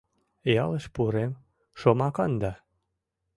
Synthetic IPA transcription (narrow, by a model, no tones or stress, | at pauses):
eɑləʃpuɾem | ʃomɑkɑnd̪ɑ